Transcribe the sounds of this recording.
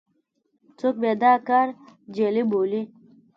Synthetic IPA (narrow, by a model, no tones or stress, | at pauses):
t͡sok̚beːd̪aːkaɾd͡ʑeːliboːli